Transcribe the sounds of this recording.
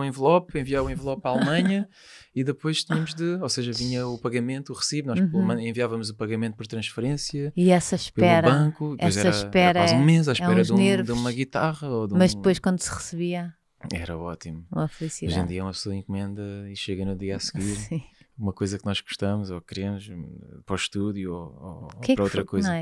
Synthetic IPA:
ẽvlˠɔpẽviavũẽvlˠɔpːɾalˠmɐ̃ɲɐ | iðɨpojʃt̪iɲɐmuʒðɨoseʒɐviɲɐupɐɣɐmẽnt̪uuʁɨsivnɔʃmɐ̃ẽviavɐmuzupɐɣɐmẽnt̪̚pɔɾt̪ɾɐ̃ʃfɨɾẽsjɐiɛsɐʃppɛɾɐβɐ̃kuɛojzɛɾɐʃpɛɾɐzũmezaʃpɛ̃ɾɐʒðũneɾd̪umɐɣit̪aʁɐoðumɐʒd̪ɨpojʃkwɐ̃nd̪usʁɨsɨβiɐ | ɛɾɐɔt̪imuɐflˠisioʒẽd̪iɐɛumɐpsoɐĩŋkumẽnd̪ɐiʃeɣɐnuðiasɣiɾsĩumɐkojzɐknɔʒɣu̥ʃt̪ɐmuzɔkɨɾemuʃpɾɔʃt̪uðjuoo̰kɛkpɾɐowt̪ɾɐkojznɐ̃ɛ

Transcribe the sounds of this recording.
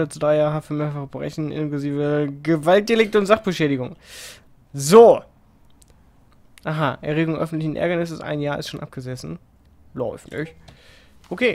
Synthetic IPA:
ɐt͡sudʁaɪjaːʁəɦafyɐmeːɐfaχəbəʁɛ̰çn̩ʔɪ̰nkluziːvəɡəvalt̚d̥elɪk̚tʊntz̥aχb̥əʃɛːɾɪɡʊŋ | zoː | ʔaːɦaːʔɛ̰ɐʁeːɡʊŋʔœfn̩tlɪçn̩ʔɛ̰ɐɡɐnɪs̬əsʔa̰ɪnjaːɐɪstʃoːnʔa̰p̚ɡ̥əzɛsn̩ | lɔʏftnɪ̰çtʔokʰeː

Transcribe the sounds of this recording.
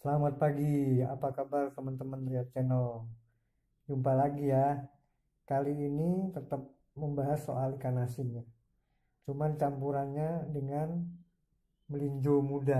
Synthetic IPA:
səlamat̪̚paɡia̰pakabart̪əmənt̪əmənɾiat̪̚t͡ʃɛnɔ | d͡ʒumpalaɡija | kaliːnit̪ət̪əp̚ | məmbaɦasːo̰ʔalikanasɪnɲa | t͡ʃumant͡ʃampuɾanɲadəŋan | məliɲd͡ʒomuda

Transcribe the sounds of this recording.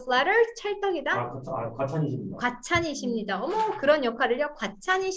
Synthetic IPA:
slaɾɯɭt͡ɕʰaɭt͈ʌɡidat͡ɕʰkat͡ɕʰiikwat͡ɕʰaɲiɕʰimɲidaʌmʌkɯɾʌnjʌkʰwaɾɯɭjʌkwat͡ɕʰaɲiɕʰ

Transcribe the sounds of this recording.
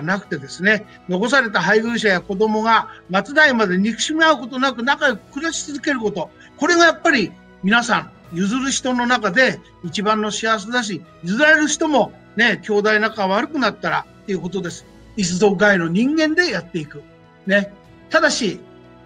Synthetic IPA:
nakɯ̥t̪e̞d̪e̞sɨne̞ | no̞ko̞s̬aɾe̞t̪aɦaiɡɯ̟ːɕ̬ajako̞d̪o̞mo̞ɡamat͡sɨd̪aimad̪e̞ɲʲikɯ̟̥ɕimiaɯ̟ko̞t̪o̞nakɯ̟nakaj̪okɯ̟ɾaɕi̥t͡sɨzɨke̞ɾɯ̟kot̪o̞ | ko̞ɾe̞ɡajapːaɾʲi | mʲinasãŋ | jɯzɨɾɯ̟ɕi̥t̪o̞no̞nakad̪e̞ | it͡ɕibãnːo̞ɕias̬ed̪aɕ̬ijɯzɨɾaɾeɾɯ̟ɕi̥t̪o̞mo̞ | ne̞kʲo̞ːd̪ainakaaβaɾɯ̟kɯ̟nat̪ːaɾa̰t̪ːe̞jɯ̟ko̞t̪o̞d̪e̞sɨ̥ | is̬ɨd̪o̞ɡaino̞ɲ̟ĩŋɡẽ̞nd̪e̞jat̪ːe̞ikɯ̟ | ne̞ | t̪ad̪aɕi

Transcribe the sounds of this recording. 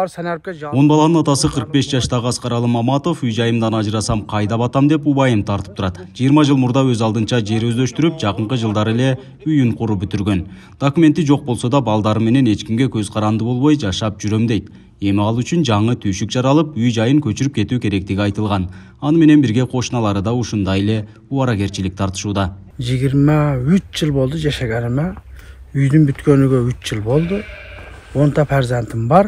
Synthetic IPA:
o̞nbɑlˠɑnənɑt̪ɑsəqʰəɾəq̚be̞sd͡ʒɑʃt̪ɑʁəɑsqɑɾɑlˠəmɑmɑt̪o̞fyjd͡ʒɑjɯmd̪ɑnɑʒɨɾɑsɑmqʰɑjd̪ɑpɑt̪ɑmd̪e̞pubɑjəmt̪ʰɑɾt̪əp̚t̪ʰuɾɑt̪ʒijəɾmɑʒɨlˠmuɾd̪ɑwɵzɑlˠd̪ənt͡ʃɑd͡ʒe̞ɾɵzd̪øʃt̪yɾyp̚d͡ʒɑqəɴqəʒəlˠd̪ɑɾele̞ | yjyɴqʰʊɾupbʏt̪yɾɡʲø̞n | d̪̥okume̞nt̪ːɪʒo̞q̚bo̞lˠsod̪ɑbɑlˠd̪ɑɾəme̞ne̞ne̞t͡ʃkʲimɡʲe̞kʲʰɵzqʰɑɾɑnd̪əbo̞lˠβo̞jd͡ʒɑʃɑp̚ʒyɾø̞md̪e̞jt̪ | e̞miɑlˠyt͡ʃynd͡ʒɑɴɯt̪ʰyʃyk̚d͡ʒɑɾɑlˠɯpyjd͡ʒɑjɯŋkʲʰɵ̞t͡ʃyɾypke̞t̪uːkʲʰe̞ɾe̞k̚t̪iɡiɑjt̪ɯlˠʁɑn | ɑnɯme̞ne̞nbiɾɡʲe̞qʰo̞ʃnɑlˠɑɾɯd̪ɑuʃund̪ɑje̞le̞ | uɑɾɑke̞ɾt͡ʃilɪk̚t̪ʰɑɾt̪ɯ̥ʃuːd̪ɑ | d͡ʒiɡʲiɾmɑyt͡ʃd͡ʒɯlˠbo̞lˠd̪ud͡ʒaʃaɡenɪmayjd̪ynbyt̪kønyɡøyt͡ʃd͡ʒɯlˠbo̞lˠd̪u | o̞nt̪ɑpʰaɾzant̪imbɑɾ

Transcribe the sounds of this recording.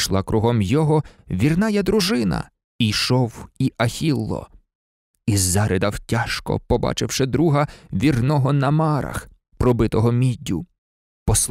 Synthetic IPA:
ʃlˠɑkɾuɦɔmjɔɦɔʋʲirnɑjɐd̪ɾuʒɪnɐ̰ | ijʃɔwiʔɐxʲilˠːɔ̰ | izːɑɾed̪ɐwtʲaʃkɔ̰pɔbɑ̰t͡ʃɪwʃɛd̪ɾuɦɐʋʲirnɔɦɔnɐmɑɾɐ̰x | pɾɔbɪt̪ɔɦɔmʲidʲʊ | pɔsˠ

